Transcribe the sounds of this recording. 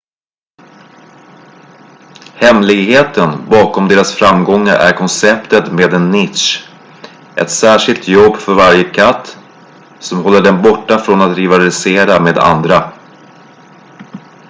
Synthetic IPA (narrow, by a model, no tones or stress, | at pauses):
hɛmlɪɡheːt̪ənbɑːkɔmd̪eːɾasfɾamɡɔŋːa̰ɾʔæ̰ɾkʰɔnsɛpt̪ət̪meːd̪ɛnːɪt̪ʂ | ʔɛ̰t̪sæːʂɪlt̪jɔbːfœɾvaɾjəkʰat̪ː | sɔmɦɔlːəɖɛnbɔʈːafɾonat̪ɾɪvalɪseːɾameːd̪a̰nd̪ɾa